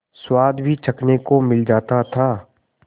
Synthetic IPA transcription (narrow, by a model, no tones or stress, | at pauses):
swaːd̪bʱit͡ʃʰɐknekomɪld͡ʒaːt̪at̪ʰaː